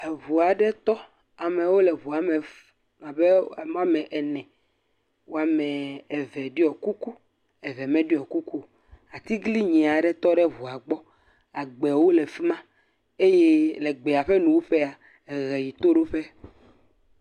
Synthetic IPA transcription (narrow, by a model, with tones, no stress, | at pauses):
e˨vu˨a˨ɖɛ˦t̪ɔ˦ | a˨me˨wo˦lɛ˨βu˨a˨me˨ | a˨be˦˨mã˦mɛ̃˨ʔɛ˨nɛ̃˨ | wo˦a˨mɛ̃˨ɛ˨vɛ˨ɖi˦ɔ˨ku˦ku˦ | ɛ˨vɛ˨mɛ̃˦ɖi˦ɔ˨ku˦ku˦ | a˨t̪i˦ɡli˦ɲĩ˨a˨ɖɛ˦t̪ɔ˦ɖɛ˦vu˨a˨ɡ͡bɔ˦ | a˨ɡ͡bɛ˨wo˦le˨fi˦mã˦ | e˦je˦le˨ɡ͡be˨a˨ɸɛ˦nũ˨wo˦ɸe˦a˨ | ɛ˨ɣɛ˨ji˨t̪o˦ɖo˦ɸe˦